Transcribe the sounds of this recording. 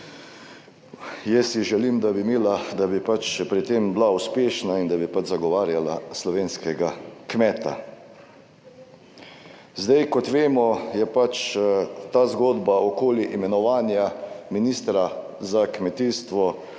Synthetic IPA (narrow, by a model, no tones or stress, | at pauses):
jɛsiʒɛlimd̪abimiːlad̪abipat͡ʃpɾit̪eːmblauspeːʃnaind̪abipad͡ʒzaɡɔʋaːɾjalaslɔʋeːnskɛɡakmɛːt̪a̰ | zd̪ajkɔt̪ʋeːmɔjɛpat͡ʃt̪aːzɡoːd̪baɔkoːliʔimɛnɔʋaːnjaminiːst̪ɾa | zakmɛt̪iːst̪ʋɔ